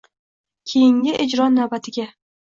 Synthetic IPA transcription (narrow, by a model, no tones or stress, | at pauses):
kʲʰejɪŋʲɪʔed͡ʒɾɒnːawbat̪ʰɪɡʲa